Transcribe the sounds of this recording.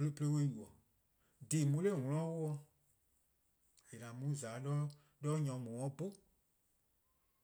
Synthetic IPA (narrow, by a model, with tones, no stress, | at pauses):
plo˧˦pə˧le˧˦we˦ju˨ɔ˨ | diː˨mũ˧˦le˦˨ŋɔ̃˧lɔ̃˨˦wo˦ɔ˧ | e˨nã˨mũ˨˦zaː˨˦lɔː˦ | lɔː˦ɲɔ̃˨˦mɔ̃ː˨ɔ̃˨˦bo˦